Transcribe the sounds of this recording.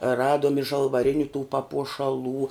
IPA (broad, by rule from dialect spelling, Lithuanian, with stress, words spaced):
ˈrɑːduɔm ɪ ʒɐlˠʋɐˈrʲɪnʲʊ tuː pɐpuɔʃɐˈlˠuː